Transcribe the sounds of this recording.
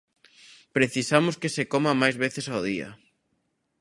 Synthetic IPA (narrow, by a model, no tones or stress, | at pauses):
pɾeθisamʊskesekomamajzβeθesawð̞ia̰